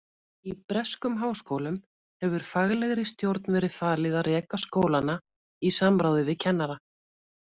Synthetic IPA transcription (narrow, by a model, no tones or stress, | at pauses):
ipɾɛskʏmɦaːwskoːwlʏm | hɛvʏɾ̥faɣlɛɣɾɪst̪jowɾt̪̚nvɛːɾɪðfaːlɪðarɛːkaskoːwlana | isamɾaːwðʏvɪðcʰɛnːaɾa